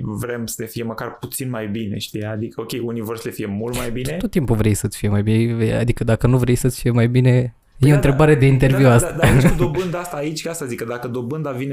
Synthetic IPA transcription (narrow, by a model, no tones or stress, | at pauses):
vɾe̞msənefije̞məkarput̪sinmajbine̞̰ʃt̪ijad̪ikəokʲe̞junivo̞rsəle̞fije̞mult̪majbineot̪ːimpuvɾejsət̪sʲfije̞majbineea̰d̪ikəd̪akənuvɾejsət̪sʲfije̞majbine̞ | jeont̪ɾebaɾe̞d̪e̞int̪̬e̞rvvuasad̪ad̪o̞bɨnd̪aast̪aːit͡ʃʲkast̪azikəd̪akəd̪o̞bɨnd̪avine